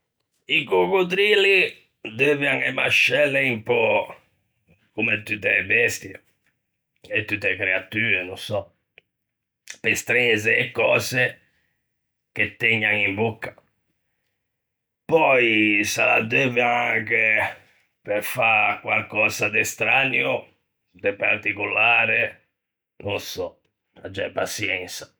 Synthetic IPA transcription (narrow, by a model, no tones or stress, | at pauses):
iɡokut̪̬ɾili | d̪evjaŋɛmaʃɛlːɛimpɔ | kumɛt̪ːut̪ːɛbɛst̪jɛ | ɛt̪ːut̪ːɛkɾɛat̪yːɾɛnɔ̃sɔ | pɛst̪ɾɛzɛːkːɔːzɛ | k̟et̪ːɛɲːaŋimbukːḁ | pɔisala̰d̪eːveaŋke | peɾfakwalkɔːzad̪ɛst̪ɾaːnjo | d̪epaɾt̪ikulaːɾe | nɔnsɔ | a̰d͡ʒːapasjɛnsḁ